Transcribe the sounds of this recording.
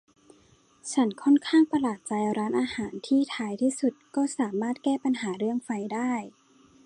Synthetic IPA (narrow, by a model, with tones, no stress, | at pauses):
t͡ɕʰa˦˥nkʰɔ˥˩˨nkʰaː˥˩ŋpa˧laː˨˩t̪̚t͡ɕa˧jɾaː˦˥nʔaː˧haː˩˦nt̪ʰiː˥˩t̪ʰaː˧˥jt̪ʰiː˥˩su˨˧˩t̪̚kɔː˥˩saː˩˦maː˥˩t̪̚kɛː˥˩pa˧nɦaː˩˦ɾɯ˥˩əŋfa˧jdaː˥˩j